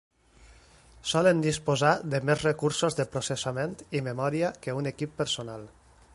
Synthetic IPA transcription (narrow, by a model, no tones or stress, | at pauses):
sɔlənd̪ispozaðəmezrekuɾsozðəpɾosesament̪imemɔɾiakəunekipːəɾsonal